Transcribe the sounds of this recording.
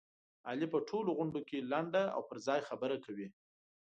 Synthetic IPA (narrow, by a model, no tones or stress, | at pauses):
ɑlipəʈʰoloɣʊɳɖokelaɳɖaa̰wpəɾzɑjxabəɾakawi